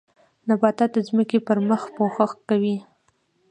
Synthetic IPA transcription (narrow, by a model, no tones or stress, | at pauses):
nabɑt̪ɑd̪əzməkepəɾməxpoxəxkawi